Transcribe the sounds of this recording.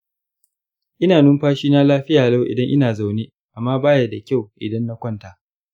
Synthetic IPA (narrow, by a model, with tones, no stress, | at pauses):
ʔɪ˦naː˨nʊ˦mɸaː˦ʃiː˦na˦laː˦ɸɪ˦jaː˨la˦wʔɪ̰˨dɐ˦ŋʔɪ˦naː˨za˨wneː˦ | ʔa˨mːaː˦baː˦ja˦da˨kʲa˦˨wʔɪ̰˨dɐ˦nːa˦kʷɐ˦ntaː˨